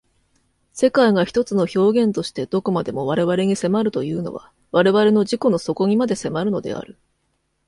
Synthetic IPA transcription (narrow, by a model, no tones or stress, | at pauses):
se̞kaiɡaçʲi̥t̪o̞t͡sɨno̞ço̞ːɡẽ̞nt̪o̞ɕi̥t̪e̞d̪̥o̞ko̞mad̪e̞mo̞β̞aɾe̞βaɾe̞ɲ̟ise̞maɾɯ̟t̪o̞jɯ̟ːno̞̰βa̰ | βaɾe̞βaɾe̞no̞ʑiko̞no̞so̞ko̞ɲ̟imad̪e̞se̞maɾɯ̟no̞d̪e̞̰a̰ɾɯ̟